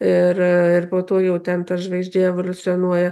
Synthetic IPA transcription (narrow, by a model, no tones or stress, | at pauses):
ɪrɪrpoːt̪oːjɛʊt̪ʲɛnt̪ɐʒʲʋɛɪzʲdʲeɛʋolʲʊt͡ssʲɪɔnuɔjɛ